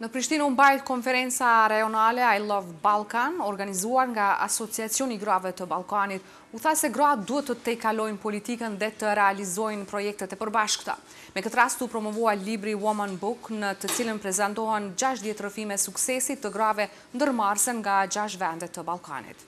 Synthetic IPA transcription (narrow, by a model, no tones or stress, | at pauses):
nəpɾiʃt̪inumbajt̪̚kɔnfɛɾɛnt͡saɾajɔnalɛajlˠɔvbalˠkanɔɾɡanizuaɾŋɡaa̰sɔt͡siat͡siɔniɡɾavɛt̪əbalˠkanit̪ | uθasɛɡɾad̪uɦɛt̪ːət̪ɛkalɔjnpɔlit̪ikənðɛt̪əɾɛalizɔjnpɾɔjɛk̚t̪ɛt̪ɛpəɾbaʃkt̪a̰ | mɛkət̪əɾast̪upɾɔmɔvuajlibɾiwɔmanbuknət̪ət͡silənpɾɛzant̪ɔɦɛnd͡ʑaʃt̪ðjɛt̪ɾəfimɛsuksɛsit̪ːəɡɾavɛ | nd̪əɾmarsənŋɡad͡ʑaʃ̬t̪vɛnd̪ɛt̪ːəbalˠka̰nḭt̪